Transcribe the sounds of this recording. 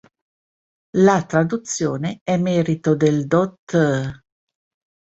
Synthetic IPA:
lat̪ɾad̪ut̪sːjoːneɛmɛːɾit̪od̪eld̪ɔt̪ː

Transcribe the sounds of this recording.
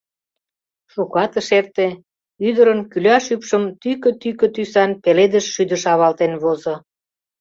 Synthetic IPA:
ʃukɑt̪ə̆ʃert̪e | yd̪əɾənkylʲɑʃypʃəmt̪ykø̆t̪ykø̆t̪ysɑnpeled̪əʃːyd̪ə̆ʃɑβɑlt̪enβozŏ

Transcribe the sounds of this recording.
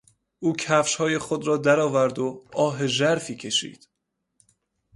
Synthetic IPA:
ʔuːcʰæfʃhɒːje̞χod̪ɾɒːd̪æɾɒːvæɾd̪oɒːɦe̞ʒæɾfiːcʰe̞ʃḭːd̪̥

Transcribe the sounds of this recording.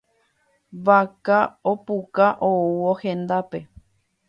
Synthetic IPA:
ʋakaopukaʔouohẽnd̪ape

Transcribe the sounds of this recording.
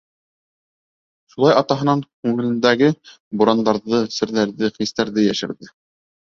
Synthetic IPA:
ʃulˠɑjɑt̪ɑɦɤ̆nɑŋkʉŋɘ̆lɘ̆nd̪æɡɘ | bŭɾɑnd̪ɑɾðɤsɘ̆ɾðæɾðɘχist̪æɾðɘjæʃɘ̆ɾðɘ

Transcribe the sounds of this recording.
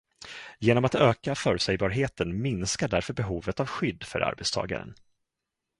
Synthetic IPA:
jeːnɔmat̪øːkafœːɾɵsɛjbɑːɾɦeːt̪ənmɪnskaɖæɾfœɾbɛɦuːvət̪avɧʏd̪ːfœ̰ɾa̰ɾbɛt̪st̪ʰɑ̰ːɡa̰ɾə̰n

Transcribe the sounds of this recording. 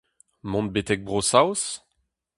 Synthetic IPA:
mɔ̃nbet̪ɛk̚bʁosaws

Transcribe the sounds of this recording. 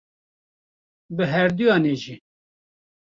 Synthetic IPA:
bɨɦɛɾd̪ujɑːneːʒi

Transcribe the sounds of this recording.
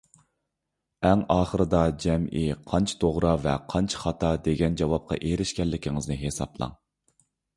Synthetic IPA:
ɛŋɑːχəɾɨd̪ɑd͡ʒɛmʔiqʰɑnt͡ʃʰɑ̥t̪ʰoʁɾɑvɛqʰɑnt͡ʃʰχɑt̪ʰɑd̪eɡʲɛnd͡ʒɑwɑp̚qʰɑ̰ʔeɾɪʃkʲɛlːɪkʲʰiŋɨznɨɦesɑ̰blˠɑ̰ŋ

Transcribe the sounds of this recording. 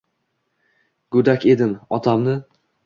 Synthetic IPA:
ɡʊd̪akʲe̞d̪ɪnɒt̪ʰamnɪ

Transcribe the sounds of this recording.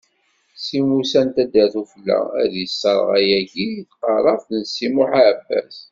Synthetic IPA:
simusænt̪æd̪əθufəlːæ̰æðjəsːəɾˤʁæjæɡiqɑɾˤɑfðnsimuħaʕbːæ̰s

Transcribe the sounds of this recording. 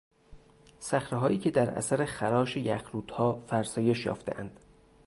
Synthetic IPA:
sæxɾeɦɒːiːcʰe̞d̪æɾæ̰sæɾexæɾɒːʃejæxɾuːt̪hɒːfæɾsɒːje̞ʃjɒ̰ːft̪e̞̰ʔænd̪̥

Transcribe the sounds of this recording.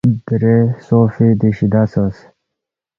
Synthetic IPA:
biɾesoːfid̪iɕid̪asəs

